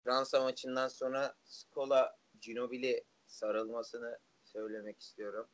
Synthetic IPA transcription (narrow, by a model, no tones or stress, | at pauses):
fɾansamat͡ʃʰɯnd̪anso̞nɾaskʰo̞lˠa | d͡ʒino̞bilʲi | saɾɯlˠmasɯnɯ | sø̞jlʲe̞mɛci̥st̪ʲijo̞ɾum